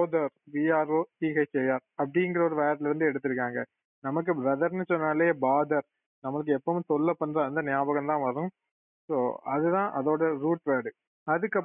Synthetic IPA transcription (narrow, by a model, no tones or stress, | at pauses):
oːðɐɾʋiaːɾoːʈiːɣɐɪt͡ʃɛjaːɾɐp̬ːɐɽɪŋɡɪɾɐɔɾɯʋaːɐʈ̪lɐɾɯnd̪ɯɛɽɯt̪ːɯɾɯkːaːŋɡɐ | nɐmɐk̬ːɯbɾɐðɐɾnɯsɔnːaːleːbaːd̪ɐɾ | nɐmɐɭɯk̬ːɯɛpːɐm̃t̪ɔɭːɐpːɐɳːɾɐɐnd̪ɐnɪjaːbɐɣɐmt̪ãːʋɐɾɯ̃ | soːɐðɯt̪ãːʔɐðoːɽɐɾuːʈʋeːɽɯ | ɐðɯkːɐ